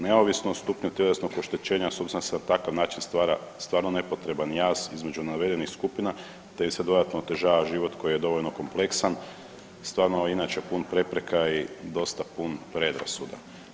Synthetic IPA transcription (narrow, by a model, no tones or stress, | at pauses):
neoʋisnost̪upɲut̪je̞lesnokoʃt̪et͡ɕe̞ːɲasobzend̪asenat̪akaʋnaːt͡ʃinst̪ʋaːɾast̪ʋaːɾnone̞po̞t̪ɾe̞banjaːzizme̞d͡ʒunaʋe̞d̪enixskupina | t̪eimsed̪o̞d̪at̪noːt̪e̞ʒaːʋaʒiʋo̞t̪ko̞jijed̪o̞ʋoʎno̞ko̞mple̞ksan | st̪ʋaːɾnoinat͡ʃe̞punpɾe̞pɾe̞kaid̪o̞st̪apunpɾe̞d̪ɾa̰sud̪a̰